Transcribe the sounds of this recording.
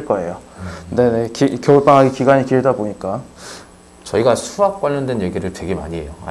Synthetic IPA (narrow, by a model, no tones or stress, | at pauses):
ɭk͈ʌe̞jone̞ne̞kikjʌuɭp͈aŋɦaɡikiɡaɲikiedaboɲik͈a | t͡ɕʌiɡasʰuak̚k͈aʎːʌndwe̞njeɡiɾɯɭtwe̞ɡe̞ma̰ɲiejoa̰